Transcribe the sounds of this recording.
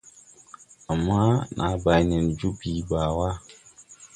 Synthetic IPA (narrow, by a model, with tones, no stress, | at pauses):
ʔa˨mːaː˦nʔa˨˦ba˨jnɪ˨nd͡ʒu˦biː˦baː˨wa˦